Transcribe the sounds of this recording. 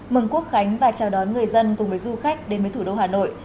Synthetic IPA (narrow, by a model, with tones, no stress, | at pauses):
mɨ˨˧˩ŋku˦˥ək̚xa˨˦jŋ̟vaː˨˩t͡ɕaː˨˩wɗɔ˨˦nŋɨ˨˩əjzə˧nkʊ˨˩ŋ͡mɓəː˨˦jzu˧xa˦˥jk̟̚ɗe˨˦nvəː˨˦jt̪ʰu˧˩ɗo˧haː˨˩no̰˧˨jʔ